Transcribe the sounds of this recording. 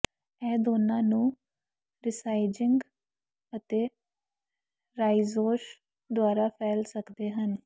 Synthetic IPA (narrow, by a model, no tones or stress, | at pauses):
ɛːd̪oːnãːnũː | ɾɪsaːid͡ʒɪŋɡ | ət̪eː | ɾaːizoːʃ | d̪ʊaːɾaːpʰɛːlsəkd̪eːɦən